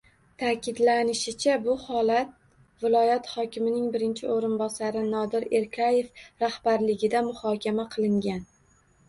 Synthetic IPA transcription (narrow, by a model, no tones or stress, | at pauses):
t̪ʰakʲɪd̪lanɪʃɪt͡ʃʰabʊhɒlˠat̪̚ | vɪlˠɒjat̪hɒkʲɪmɪnɪŋbɪɾɪnt͡ʃʰɪoɾɪnbɒsaɾɪnɒd̪ɪɾe̞ɾkʲʰaje̞fɾahbaɾlɪɡʲɪd̪amʊhɒkʲʰamaqʰɨlˠɪŋɡʲan